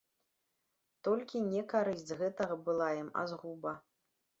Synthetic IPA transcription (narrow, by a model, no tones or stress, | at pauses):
t̪ɔlʲkʲinʲɛkaɾɨsʲd͡zʲzɣɛt̪ɐɣɐbɨlˠajima̰zɣubɐ